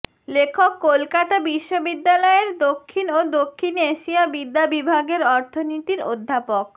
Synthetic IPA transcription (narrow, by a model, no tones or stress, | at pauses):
lekʰokːolkat̪abiʃːobid̪ːalɔeɾd̪okʰːinod̪okʰːineʃiabid̪ːabibʱaɡeɾɔɾt̪ʰonit̪iɾod̪ʱːapok